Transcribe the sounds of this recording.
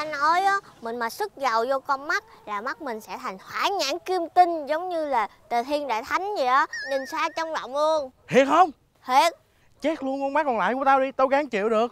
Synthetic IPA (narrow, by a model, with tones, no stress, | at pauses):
a˧nɔ˨˦jʔɔ˨˦mï˨˩ŋ̟maː˨˩sɨ˦˥k̚za˨˩wzɔ˧kɔ˧nma˦˥t̚laː˨˩ma˦˥t̚mï˨˩ŋ̟sɛ̰˧˥t̪ʰa˨˩jŋ̟hwaː˧˩ɲa̰ː˧˥ŋki˧əmt̪i˧ŋzə˨˦wŋ͡mɲɨ˧laː˨˩t̪ə˨˩t̪ʰi˧ənɗa̰ː˧˨jt̪ʰa˨˦jŋ̟zi˨˩ʔɔ˨˦nɨ˨˧˩ŋsaː˨˦˥t͡ɕɔ˧wŋ͡mla̰˧˨wŋ͡mlu˧ənhi˨˩ək̚hə˧wŋ͡m | hi˨˩ət̚ | t͡ɕe˦˥k̚lu˧ənkɔ˧ŋ͡mma˦˥k̚kɔ˨˩laː˧˨jku˧˩ət̪aː˧wɗi˧t̪o˧jɣaː˨˦ŋt͡ɕḭ˧˨əwɗɨ˨˩ək̚